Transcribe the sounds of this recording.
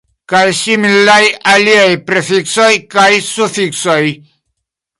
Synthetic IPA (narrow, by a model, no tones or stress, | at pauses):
kajsimilajaliajpɾefikso̞jkajsufikso̞j